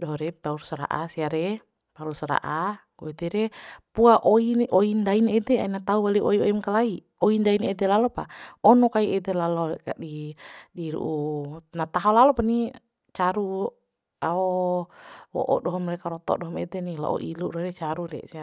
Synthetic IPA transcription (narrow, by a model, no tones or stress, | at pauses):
dɔɦɔɾɛpauɾusɾa̰ʔasiaɾɛ | paulusɾa̰ʔa | ɡɔid̪ɛɾɛpuaʔoinʔoindainɛd̪ɛainat̪auwaliʔoiɔimkalai | oindainɛd̪ɛlalɔpa̰ɔnɔkaiʔɛt̪ɛlalɔka̰didiɾṵʔunat̪aɦɔlalɔpani | t͡ʃaɾu | aɔ | wɔ̰ʔɔ̰dɔɦɔmrɛkaɾɔt̪ɔ̰ʔdɔɦɔmɛ̰t̪ɛnila̰ʔɔ̰ʔiluʔɾɔɾɛt͡ʃaɾudɛ̰sia